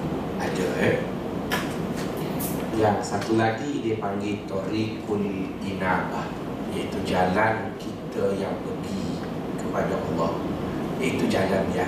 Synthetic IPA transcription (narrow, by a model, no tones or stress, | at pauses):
adəə | jasat̪ulat̪idepaŋɡit̪oɾikundinalah | jait̪ud͡ʒalan | kit̪əjaŋpəɡi | kəpadaʔɑlːɔhit̪ud͡ʒalanja